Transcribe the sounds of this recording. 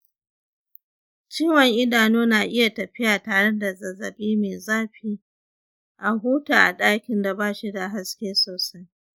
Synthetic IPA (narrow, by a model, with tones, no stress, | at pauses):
t͡ʃiː˦wɐ˨ŋʔɪ˦daː˨noː˦naː˨ʔɪ˦ja˨tɐ˨ɸɪ˦jaː˨taː˨ɽe˦da˨zɐ˨zɐ̰˨ɓiː˦meː˨zaː˦ɸiː˦ | ʔa˨ɦuː˦taː˨ʔa̰˨ɗaː˦kʲɪ˨nda˨baː˦˨ʃi˦da˨ɦa˦skʲeː˦soː˨sɐ˦j